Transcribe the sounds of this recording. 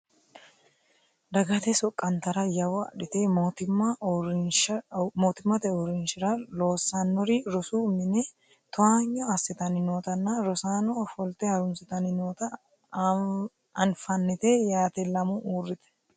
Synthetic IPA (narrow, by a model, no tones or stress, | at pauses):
d̪ɐɡɐt̪ɛsɔkʼːɐnt̪ɐɾɐjɐwɐɐᶑɪt̪et̪ɪɐ | moːt̪ɪmːɐt̪ɛʊɾɪnʃɪɾɐlo̞ːsanːɔɾɪɾɔsumɪnɛ | t̪ʊhaːɲːɔɐsːɪt̪ɐnɪnoːt̪ɐnːɐɾɔsaːnɔfɔlt̪ɛhɐɾʊnsɪt̪ɐnɪnoːt̪ɐ | ɐnfɐnːɪt̪ejaːt̪ɛlɐmʊʔuːrːɪt̪ɛ̥